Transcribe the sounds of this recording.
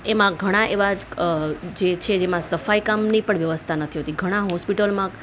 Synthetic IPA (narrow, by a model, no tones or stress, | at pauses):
emãɡʱəɽ̃aʔeʋa | d͡ʒet͡ʃʰed͡ʒemãsəfaikamnipəɳʋjəʋəst̪ʰanət̪ʰiɦot̪iɡʱəɽ̃aɦɔspiʈəlmã